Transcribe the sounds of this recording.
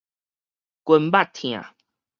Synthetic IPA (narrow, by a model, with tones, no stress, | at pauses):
kwə˧mba˥˨t̪ʰĩ˨ã̰˨